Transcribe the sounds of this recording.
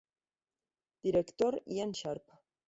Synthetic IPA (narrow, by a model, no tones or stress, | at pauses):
d̪̥iɾekt̪oɾj̰anʃaɾpʰ